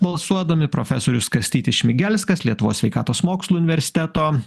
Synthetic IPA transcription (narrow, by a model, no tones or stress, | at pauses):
bɐlˠsuɔd̪ɐmʲɪpɾofʲɛsoːɾʲʊskɐsʲt̪ʲiːt̪ʲɪʃʲmʲɪɡʲælʲskɐslʲiɛt̪ʊʋoːsʲʋʲɛɪkɑːt̪oːsmoːkslˠuːʊnʲɪʋʲɛɾʲsʲɪ̥t̪ʲɛt̪oː